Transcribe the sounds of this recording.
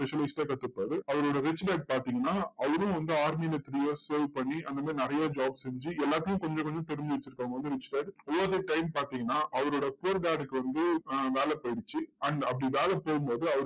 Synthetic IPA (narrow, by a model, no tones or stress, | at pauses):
pɛʂɐlɐɪsʈɐːkɐt̪ːɯpːaːðɯɐʋɐɾoːɽɐɾɪt͡ʃːɖaːɖ̚paːɾt̪iːŋɡɐnːaːɐʋɐɾʊ̃ʋɐnd̪ɯaːɾmiːlɐt̪ɾiːjɐssoːlpɐɳːiʔɐnd̪ɐmaːɾinɪɾɐjaːd͡ʒaːbsɛɲd͡ʒɯɛlːaːt̪ːɯkjʊ̃kɔɲd͡ʒɐ̃kɔɲd͡ʒɔ̃t̪ɛɾɯɲd͡ʒɯʋɐt͡ʃːɪɾɯkːaːŋɡɐʋɐnd̪ɯɾɪt͡ʃːɖaːɖɔʋːoːðeʈɐɪmpaːɾt̪iːŋɡɐnːaːʔɐʋɐɾoːɽɐpʊɐɾɖaːɽɯkːɯʋɐnd̪ɯʋeːlɛpɐɪɽɯt͡ʃːɯɐɳɖɐpːɐɽiʋeːlɛpoːɣɯmpoːðɯɐʋɐɾ